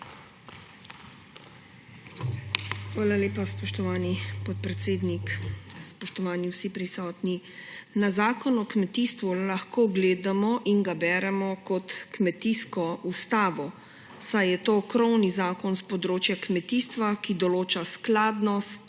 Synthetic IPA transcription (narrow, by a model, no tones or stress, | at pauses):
xʋaːlaleːpaspɔʃt̪ɔʋaːnipɔt̪̚pɾɛt̪seːd̪nikspɔʃt̪ɔʋaːniwsipɾisɔːt̪ni | nazaːkɔnɔkmɛt̪iːst̪ʋulaxkoːɡleːd̪amɔʔinɡabɛːɾɛmɔkɔt̪kmɛt̪iːskɔʔust̪aːʋɔ | sajjɛt̪oːkɾɔwnizaːkɔnspɔd̪ɾoːt͡ʃjakmɛt̪iːst̪ʋakid̪ɔloːt͡ʃasklaːd̪nɔst̪